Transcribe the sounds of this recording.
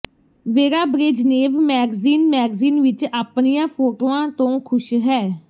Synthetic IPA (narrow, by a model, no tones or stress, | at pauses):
ʋeːɾaːbɾeːd͡ʒneːʋmɛːɡziːnmɛːɡziːnʋɪt͡ʃaːpnɪjãːpʰoːʈoːãːt̪õːkʰʊʃɦɛː